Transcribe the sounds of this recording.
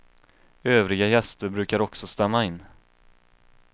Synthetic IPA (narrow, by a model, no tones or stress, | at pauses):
øːvɾɪɡajɛst̪əɾbɾʉ̟ːkaɾɔksɔst̪amːaɪnː